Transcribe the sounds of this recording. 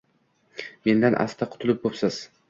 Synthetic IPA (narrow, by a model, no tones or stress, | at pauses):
me̞nd̪anʔa̰st̪ʰaqʰʊ̥t̪ʰʊlɪp̚bopsaz̥